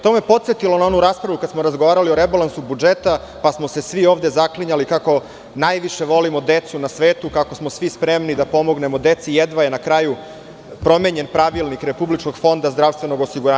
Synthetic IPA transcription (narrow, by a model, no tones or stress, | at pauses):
t̪o̞me̞po̞t̪set̪ilo̞nao̞nuɾaːspɾaʋukad̪smoɾazɡoʋaːɾalioɾebalansubud͡ʒe̞t̪a | pasmo̞se̞sʋio̞ːʋd̪e̞zakliɲalikako̞ | najʋiʃe̞ʋo̞limod̪e̞t̪sunasʋeːt̪ukako̞smosʋispɾe̞mnid̪apo̞mo̞ɡne̞mod̪e̞t̪sijed̪ʋajenakɾaju | pɾo̞meɲe̞npɾaʋilnikɾe̞publit͡ʃko̞ɡfo̞nd̪azd̪ɾaʋst̪ʋe̞no̞ɡo̞siɡuɾaː